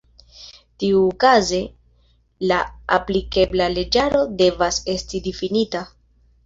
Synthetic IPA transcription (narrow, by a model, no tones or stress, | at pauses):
tiuːkaze̞ | laa̰plike̞blale̞d͡ʒaɾo̞de̞vase̞stidifinita